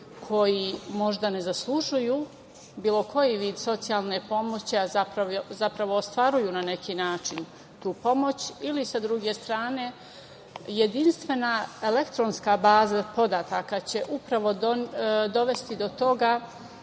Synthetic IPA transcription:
kʰo̞jimo̞ʒd̪ane̞zaslˠuʒuju | biːlˠo̞kʰo̞jiʋiːd̪so̞t̪sijalˠne̞po̞mo̞t͡ɕiazapɾaʋozapɾaʋo̞ːst̪ʋaɾujuːnane̞kʰinaːt͡ʃin | t̪uːpo̞mo̞t͡ɕilisad̪ɾuɡe̞st̪ɾaːne̞ | je̞d̪inst̪ʋe̞nae̞le̞kt̪ɾo̞nskabaːzapo̞d̪at̪akat͡ɕe̞ʔupɾaʋo̞d̪od̪o̞ʋe̞st̪id̪o̞t̪o̞ɡa

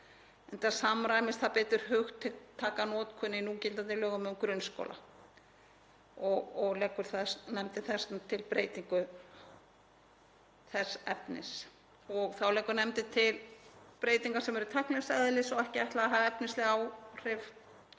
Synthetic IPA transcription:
ɛnt̪asamɾaːjmɪst̪θaðpɪːt̪ʏɾ̥hʏxt̪ʰːɪlt̪ʰaːkanɔːt̪kʰʏnɪinucɪlt̪anɪlœːɣʏmɛmkɾʏnsko̰lʔa̰ | ɔɔɣlɛːkːʏɾ̥θaðsnɛmt̪ɪθɛsnt̪ʰɪlpɾeːjt̪iŋkʏ | θɛsɛpnɪ̰s | ɔɣθawlɛːkːʏɾnɛmt̪ɪt̪ʰɪlpɾeːjt̪iŋkasɛmɛɾʏt̪ʰahklɛsɛðlɪsɔɣɛhcɪajht̪laaɦaːvɛpnɪslɪɣawr̥ɪf

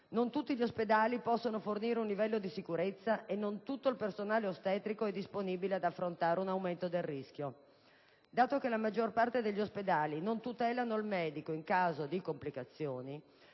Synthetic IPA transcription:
nont̪ut̪ːiʎiosped̪aːlipɔsːonoforniːɾeunlivɛlːod̪isikuɾet̪sːaʔenːont̪ut̪ːoilpersonaːleost̪ɛːt̪ɾikoɛd̪ːisponiːbilead̪afːɾont̪aːɾeunawment̪od̪elrːisk̟jo | d̪aːt̪okelamad͡ʒːorpart̪ed̪eʎːosped̪aːlinont̪ut̪ɛːlanoilmɛːd̪ikoiŋkaːzod̪ikomplikat̪sːjoːni

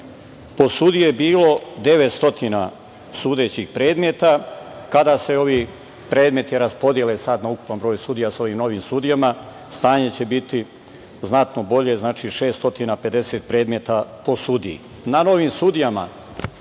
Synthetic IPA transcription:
po̞sud̪ijejebiːlo̞d̪e̞ʋe̞t̪st̪o̞t̪ina̰ | suːd̪e̞t͡ɕixpɾe̞ːd̪me̞t̪akad̪aːse̞o̞ʋiː | pɾe̞ːd̪me̞t̪jɾaspo̞d̪jelesad̪nauku̥panbɾoːjusud̪ijasao̞ʋiːmno̞ʋiːmsud̪ijama | st̪aːɲe̞t͡ɕe̞bit̪i | znat̪no̞bo̞ʎe̞znaːt͡ʃiːʃe̞ːst̪o̞t̪iːnape̞d̪e̞seːt̪̚pɾe̞ːd̪me̞t̪apo̞sud̪iḭ | nano̞ʋiːmsud̪ijama̰

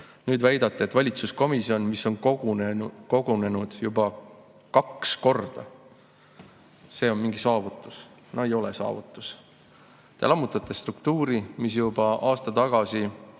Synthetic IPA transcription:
nyːd̪̥væjd̪̥ɑt̪ːˑeet̪ːvɑlʲit̪susko̞misio̞nmisːo̞n | ko̞ɡune̞nud̪̥jubɑ | kɑksko̞rd̪̥ɑ | se̞ːo̞nmiŋɡ̥isɑːvut̪ːˑu̥s | noejo̞lesɑ̰ːvut̪ːˑu̥s | t̪e̞̰lɑmːut̪ːˑɑt̪ːˑest̪rukt̪uːɾimis̬jubɑʔɑːst̪ɑt̪ɑɡ̥ɑsi

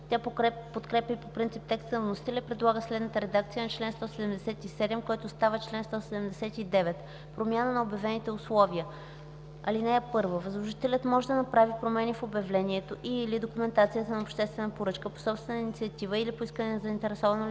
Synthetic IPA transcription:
t̪ʲjapot̪kɾɛpʲəpopɾint̪sip̚t̪ɛkst̪ənvnosi̥t̪ɛlʲɛipɾɛd̪lˠaɡəslɛd̪nət̪əɾɛd̪ak̚t̪sijənɐt͡ʃlɛnst̪ɔsɛd̪ɛmd̪ɛsɛt̪isɛd̪ɛmkɔjt̪ost̪avət͡ʃlɛnst̪ɔsɛd̪ɛmd̪ɛsɛt̪id̪ɛvɛt̪ | pɾomʲjanənɐobjɐvɛnit̪ɛʊslˠɔviə | ɐlinɛɛpɤɾvəvəzlˠoʒit̪ɛlʲət̪mɔʒɛd̪ɐnɐpɾavipɾomɛnifobɛvlɛniɛt̪oʔilid̪okumɛnt̪at̪sijət̪ənɐopʃt̪ɛst̪vɛnəpoɾɤt͡ʃkəpo̥sɔpst̪vɛnəinit̪siɐt̪ivəilipoiskənɛnɐzəint̪ɛɾɛsɔvɐno

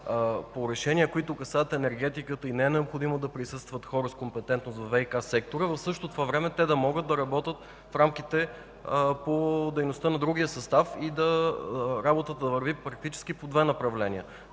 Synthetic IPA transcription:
poɾɛʃɛniəkoit̪ʊkɐsaət̪ɛnɛɾɡɛt̪ikət̪əinɛɛnɛopxod̪imod̪ɐpɾisɤst̪vət̪xɔɾəskompɛt̪ɛnt̪nosɐvɛjkasɛk̚t̪oɾəvɐfsɤʃt̪ot̪ovavɾɛmɛt̪ɛd̪ɐmɔɡət̪d̪ɐɾɐbɔt̪ət̪ | fɾamkit̪ɛ | pod̪ɛjnost̪ənɐd̪ɾuɡ̟ʲijəsɐst̪afid̪ɐ | ɾabot̪ət̪əd̪ɐvɐɾvipɾɐk̚t̪it͡ʃɛ̥sk̟ipod̪vɛnɐpɾɐvlɛnʲiə̰

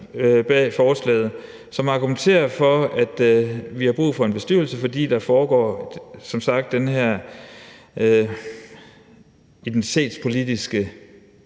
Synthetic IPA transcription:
b̥ɛfɒːslɛ̰ːð̩ˠ | sɒ̽mɑ̈ɡ̥ument͡sʰe̝̰ːɐfɒ̽æd̥ʋihɑ̈b̥ʁṵːfɒ̽e̝nb̥e̝sd̥yɐl̩səfɒ̽d̥ḭːd̥ɑ̈fɒːɡ̥ɒ̰̥ːsɒ̽msɑ̈ɡ̥̚d̥ːenɦæɐ̰ | id̥ent͡sʰi̥t͡sʰe̝̰ːd̥spʰo̝lid̥isɡ̥ə

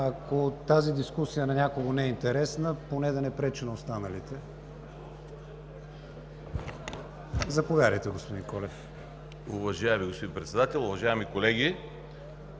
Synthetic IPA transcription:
ɐkot̪azid̪iskusijənɐnʲakoɡonɛɛint̪ɛɾɛsnəponɛd̪ɐnɛpɾɛt͡ʃinɐost̪anəlit̪ɛ | zɐpovjaɾʲəjt̪ɛɡospod̪inkɔlɛf | uvɐʒajɛmiɡospod̪inpɾɛt̪sɛd̪at̪ɛlˠʊvɐʒajɛmikolɛɡʲi

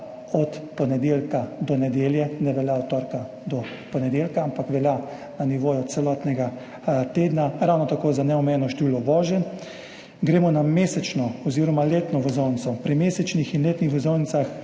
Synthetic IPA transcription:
ɔt̪pɔnɛd̪eːlkad̪ɔnɛd̪eːljɛnɛʋɛljaɔt̪t̪ːɔːɾka | d̪ɔ | pɔnɛd̪elkaampakʋɛlja | naniʋoːjɔt̪t̪sɛlɔːt̪nɛɡa | t̪eːd̪naɾawnɔt̪akoːzanɛɔmɛjɛnɔʃt̪eʋiːlɔʋɔːʒɛn | ɡɾeːmɔnameːsɛt͡ʃnɔɔziɾɔmaleːt̪nɔʋɛzownt̪sɔpɾimeːsɛt͡ʃnixinleːt̪nixʋɛzownisax

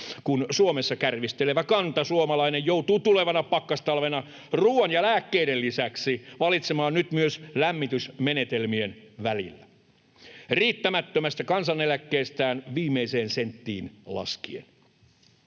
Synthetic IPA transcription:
kunsuomesːɑkærʋist̪eleʋækɑnt̪ɑsuomɑlɑinejjowt̪uːt̪ule̞ʋɑnɑpɑkːɑst̪ɑlʋenɑ | ruːɑnjɑlæːkːeiɾellisæksiʋɑlit̪semɑːnnyt̪myøslæmːit̪ysmenet̪elmienʋælḭlːæ | riːt̪ːæmæt̪ːømæst̪ækɑnsɑnelækːeːst̪æːnʋiːmːeise̞ːnsent̪ːḭːnlɑ̰skiḛn

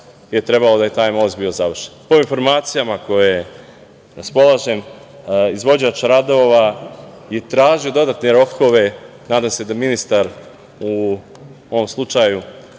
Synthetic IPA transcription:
je̞t̪ɾe̞balo̞d̪aje̞t̪aːjmo̞ːzd̪biozaʋr̩ʃenpo̞info̞ɾmaːt̪sijamako̞je | ɾaspo̞laʒe̞m | izʋo̞d͡ʑat͡ʃɾad̪o̞ʋa | je̞t̪ɾaːʒijo̞d̪o̞d̪at̪neɾo̞kʰo̞ʋe̞naːd̪amse̞d̪aminist̪aɾ | u | o̞ʋo̞mslˠut͡ʃaju

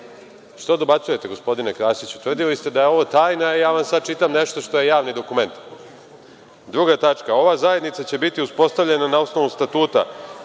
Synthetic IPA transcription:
ʃt̪od̪o̞bat̪suje̞t̪e̞ɡo̞spo̞d̪inekɾaːsit͡ɕu̥t̪vr̩d̪ilist̪e̞d̪ajeo̞ʋot̪aːjnaijaːʋamsad̪̚t͡ʃit̪amneʃt̪o̞ʃt̪o̞je̞jaːʋnid̪o̞kume̞nt̪ | d̪ɾuɡat̪at͡ʂkao̞ʋazaje̞d̪nit̪sat͡ɕe̞bit̪iuspo̞st̪avʎe̞nanao̞sno̞ʋust̪at̪uːt̪a̰

